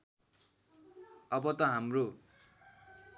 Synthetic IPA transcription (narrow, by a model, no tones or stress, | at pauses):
ʌbʌt̪ʌɦamro